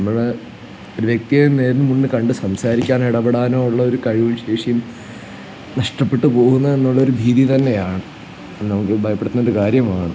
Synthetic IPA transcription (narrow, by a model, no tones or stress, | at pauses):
ɐmːɐɭe | oɾuʋjek̚t̪ijɐne̞ːɾnːɨmunːɨkɐɳɖɨsɐmsaːɾikʲːaːniɽɐbeɽaːnoːuɭːɐo̞ɾukɐɻiʋumɕe̞ːʂijum | nɐʂʈɐpːe̞ʈːɨpo̞ːɣunːɐe̞nːuɭːɐo̞ɾubʱiːðit̪ɐnːe̞jaːɳɨ | ɐnɐmukːɨbʱɐjɐpːeɽɨt̪ːunːɐo̞ɾukaːɾjɐmaːɳɨ